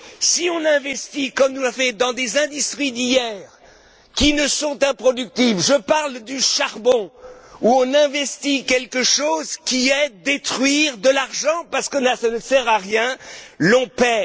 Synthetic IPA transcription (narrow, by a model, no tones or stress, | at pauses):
siɔ̃nɛ̃vɛst̪ikɔmnulafɛd̪ɑ̃d̪ezɛ̃d̪yst̪χid̪ijɛːʁ | kʲinəsɔ̃t̪ɛ̃pχɔd̪yk̚t̪ivʒəpaʁld̪yʃaʁbɔ̃uɔ̃nɛ̃vɛst̪ikʲɛlkəʃozkʲiɛd̪et̪χɥiʁd̪əlaʁʒɑ̃paʁsə̥kɔnasanəsɛʁaʁjɛ̃lɔ̃pɛ